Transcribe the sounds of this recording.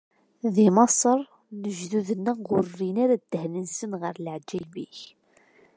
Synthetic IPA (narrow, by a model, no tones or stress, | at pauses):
ðimɑsˤəɾˤ | nəʒðuðənːæʁʊrːinaɾad̪̥ːəhnənsənʁəɾlʕd͡ʒæbiç